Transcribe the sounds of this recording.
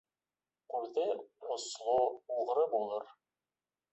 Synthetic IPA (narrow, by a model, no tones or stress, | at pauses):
qʉɾðɘŏslˠouʁɾɤbulˠɤɾ